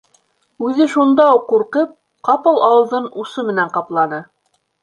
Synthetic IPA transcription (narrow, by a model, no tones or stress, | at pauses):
ʉðɘʃund̪ɑuqːuɾqɤp̚ | qɑpɤlˠɑwɤ̆lˠðɤnusɤmɘ̆næɴqɑplˠɑnɤ